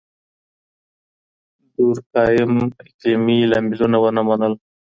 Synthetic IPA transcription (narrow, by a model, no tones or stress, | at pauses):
d̪uɾkɑjɪmɪkimilambilunawənamanəl